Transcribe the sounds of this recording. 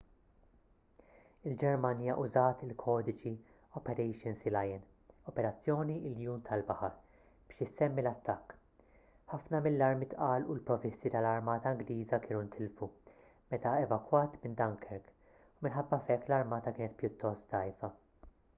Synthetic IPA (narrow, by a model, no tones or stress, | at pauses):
ɪld͡ʒɛɾmɐnjɐʔʊzɐːt̪ɪlkʰɔːd̪ɪt͡ʃi | ɔpɛɾɛjʃɪnsilɐjɪn | ɔpɛɾɐt͡sːjɔːniɪljuːnt̪ʰɐlbɐħɐɾ | b̥ɪːʃɪsɛmːilɐt̪ːɐkː | ħɐfnɐmɪlːɐɾmɪt̪ʔɐːlulpɾɔvɪsːit̪ɐlɐɾmɐːt̪ɐɐŋɡliːzɐkɪːnunt̪ʰɪlfu | mɛt̪ɐɛvɐkwɐːt̪mɪnd̪ɐŋkʰɛɾɡ | umɪnħɐbːɐfɛkːlɐɾmɐːt̪ɐkɪːnɛt̪̚pjʊt̪ːɔst̪t̪ɐjfɐ